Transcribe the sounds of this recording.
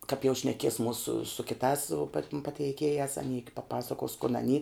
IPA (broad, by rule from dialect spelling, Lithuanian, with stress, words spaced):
kɐp jɛʊ ʃʲnʲɛˈkʲiɛs ˈmuːsʊ sʊ kʲɪˈtɑːs sʊ pɐtʲɪm pɐtʲɛɪˈkʲeːjæːs ɐˈnʲiː pɐˈpɑːsɐkoːs kʊn ɐˈnʲiː